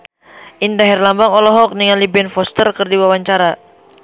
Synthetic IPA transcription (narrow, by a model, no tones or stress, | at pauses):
ʔindaɦɛrlambaŋɔlɔɦɔk̚niŋalibɛnfɔst̪ərkərdiwawaɲt͡ʃaɾa